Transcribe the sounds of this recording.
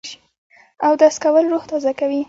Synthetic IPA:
awd̪askawəlɾuxt̪ɑzakawi

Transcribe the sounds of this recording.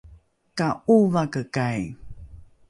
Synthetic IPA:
kauvakəkaj

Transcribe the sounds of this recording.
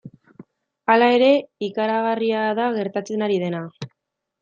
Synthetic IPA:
alae̞ɾe̞ikaɾaɣ̞ariaðaɣe̞ɾt̪at͡se̞naɾið̞e̞na

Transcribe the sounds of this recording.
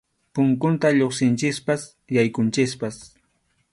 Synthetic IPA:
pʊŋkʊnt̪aʎoχsɪnt͡ʃɪspas | jajkʊnt͡ʃɪspas

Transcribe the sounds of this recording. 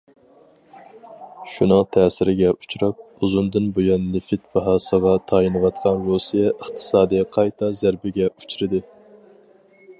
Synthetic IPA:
ʃunɨŋt̪ʰɛːsɪɾɪɡʲɛʔut͡ʃʰuɾɑp̚ | uzund̪ɨnbojɑnːɪfɪt̪̚bɑɦɑːsəʁɑt̪ʰɑjinɨwɑt̪̚qʰɑnɾosijɛʔəχt̪ʰɨ̥sɑːd̪ijɛqʰɑjt̪ʰɑzæɾbɪɡʲɛu̥t͡ʃʰɾɨd̪ɨ

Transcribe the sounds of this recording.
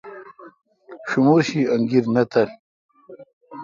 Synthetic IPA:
ɕumuːɕiɐŋɡiɾnɐt̪ɐl

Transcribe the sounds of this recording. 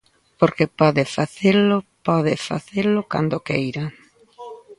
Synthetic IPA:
poɾkepɔðɪfaθelʊpɔðɪfa̰θelʊka̰nd̪okejɾa

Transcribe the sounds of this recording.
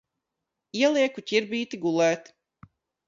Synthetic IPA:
iɛlˠiɛkucʲiɾbʲiːt̪iɡulˠɛːt̪

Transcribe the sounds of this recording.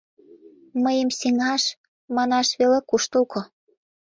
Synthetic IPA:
məjəmseŋɑʃ | mɑnɑʃβelekuʃt̪ulkʰo

